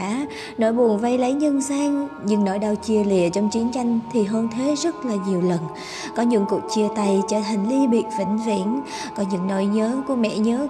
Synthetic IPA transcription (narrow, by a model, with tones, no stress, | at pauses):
a˧˦ | no˧˥jɓu˨˩ənvə˧jlə˨˦jɲə˧nsaː˧ŋ | ɲɨ̰˧˥ŋno˧˩jɗə˨˩wt͡ɕi˨˩əlḭ˧˨ət͡ɕɔ˧wŋ͡mt͡ɕi˨˦ənt͡ɕa˧jŋ̟t̪ʰi˨˩ɦəː˧nt̪ʰe˨˦zə˦˥t̚laː˨˩ɲi˨˩əwlə˨˩n | kɔ˨˦ɲɨ̰˧˥ŋkṵ˨˩ək̚t͡ɕi˧˩ət̪a˨˩jt͡ɕəː˧˩t̪ʰa˨˩ŋ̟li˧ɓḭ˧˨ət̚vḭ˧˩ŋ̟vḭ˧˥ən | kɔ˨˦ɲɨ̰˧˥ŋno˧˩jɲəː˨˦ku˧˩əmɛ̰˧˨ɲəː˨˦